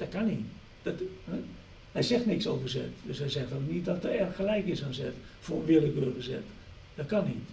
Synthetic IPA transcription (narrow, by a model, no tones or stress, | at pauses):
d̥ɔt̚kani | d̥ɔt | hɛjsɛxtnɪksoːvərsɛ̰tdøshɛjsɛxtɔnit̚dɔtərɛrəxxəlɛjkɪsansɛxt | foənʋɪələkøːrɣəsɛ̰t | d̥ɔt̚kanḭt